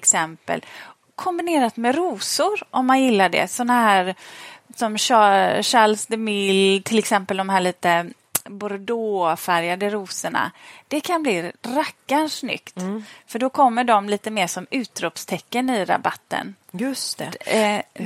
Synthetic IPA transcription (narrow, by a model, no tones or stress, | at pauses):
ksɛmpə̰l | kʰɔmbɪneːɾat̪mɛɾuːsʊɾʔɔmːanjɪlːaɖɛ̰sɔnːaɦæːɾsɔmʂɑʂalsd̪ɛmɪlt̪ʰɪlɛksɛmpəld̪ɔmɦæːɭiːt̪ə | bʊɾd̪oːfæɾjad̪əɾuːsəɳa̰d̪̥ɛkʰanbliːɾakːanʂnʏ̰kt̪fœɖɔkʰɔmːəɖɔmliːt̪əmeːʂɔmʉ̟ːt̪ɾɔpst̪ʰɛkːənɪɾa̰bat̪ːə̰n | jɵst̪ɛ